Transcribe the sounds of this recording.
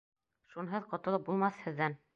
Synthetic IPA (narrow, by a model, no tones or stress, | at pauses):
ʃunɦɤðqŏt̪ɤ̆lˠɤp̚bulˠmɑθhɘ̆ðːæn